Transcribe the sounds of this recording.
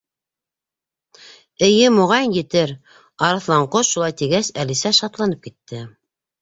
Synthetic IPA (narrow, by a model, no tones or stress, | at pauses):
ɘ̆jɘmŏʁɑjnjɘ̆t̪ɘɾ | ɑɾɑθlˠɑɴqoʃulˠɑjt̪iɡæsælisæʃɑt̪lˠɑnɤp̚kit̪ːɘ